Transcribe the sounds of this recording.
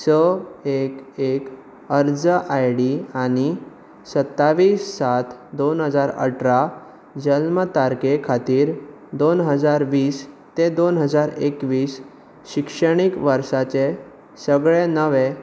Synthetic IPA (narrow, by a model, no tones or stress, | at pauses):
səekek | əɾd͡zəʔajɽiañi | sət̪ːaʋiːsːat̪d̪onɦəd͡zaɾə̰ʈʰɾa | d͡ʑəlmət̪aɾkekʰat̪iːɾ | d̪onɦəd͡zaɾʋiːs | t̪ed̪onɦəd͡zaɾekʋiːs | ɕikʂəɽ̃ikʋəɾsat͡ɕe | səɡɭenəʋe